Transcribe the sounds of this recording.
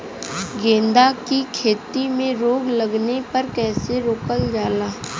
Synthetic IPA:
ɡẽːnd̪akikʰeːt̪imẽɾoːɡləɡnepɐɾkɛːseɾoːkəld͡ʒaːlaː

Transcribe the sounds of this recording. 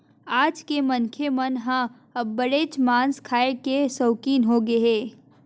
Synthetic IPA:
aːd͡ʒkemɐnkʰemɐnɦã | ɐbbəɽeːt͡ʃmãːnskʰaːekesoːkiːnɦoɡɐɦeː

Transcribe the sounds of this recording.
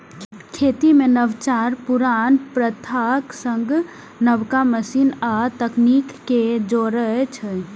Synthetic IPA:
kʰeːt̪imenəʋt͡ʃaːɾpuɾaːnpɾət̪ʰaksə̃ŋɡ | nəʋkaməsiːnat̪əknikːed͡ʒoɾəet͡ʃʰə

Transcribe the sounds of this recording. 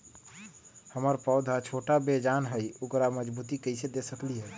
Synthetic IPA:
həməɾpəʊd̪ʱat͡ʃʰoʈabed͡ʒanɦəjukɾaməd͡ʒbut̪ikəɪsed̪esəkliɦə

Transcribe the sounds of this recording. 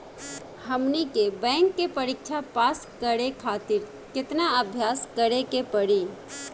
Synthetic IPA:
hɐmnikebɛ̃ːŋkːepəɾɪkʃʰapaːskəɾekʰaːt̪ɪɾ | kɪt̪naəbʱjaːskəɾekepəɽi

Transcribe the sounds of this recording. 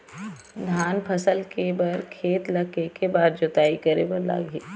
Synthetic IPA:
d̪ʱaːnpʰɐsəlkebɐɾkʰeːt̪lɐkekebaːd̪̚d͡ʒʊt̪aːikɐɾḛbɐɾla̰ːɡeː

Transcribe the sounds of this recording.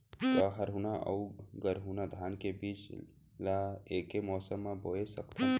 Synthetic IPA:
t̪aɦɐɾɦunaʔɐ̰uɡəɾɦuːnad̪ʱaːnkebiːt͡ʃ | laeːkemɔːsəmːãboːesəkt̪a

